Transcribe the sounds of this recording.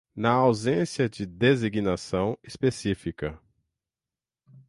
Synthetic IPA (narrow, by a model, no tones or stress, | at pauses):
nɐawzẽsiɐd͡ʒɪd̪eziɡinasɐ̃w̃espesifikɐ